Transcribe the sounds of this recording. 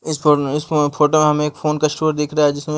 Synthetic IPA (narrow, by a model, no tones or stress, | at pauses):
ɪsoɪsfʰoːʈomẽɦɐmẽːkfʰoːnkɐɪsʈoːɾd̪eːkʰɾɐaɦɛd͡ʒɪsmẽ